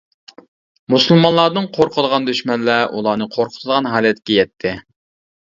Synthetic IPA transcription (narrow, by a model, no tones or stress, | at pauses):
musɨlˠmɑnlˠɑːd̪ɨŋqʰoɾqʰəd̪əʁɑnd̪øʃmɛnlːæʔṵlˠɑːnɨqʰoɾqʰə̥t̪ʰɨd̪əʁɑnɦɑːlɛt̪ʰkʲɛjɛt̪ʰːɪ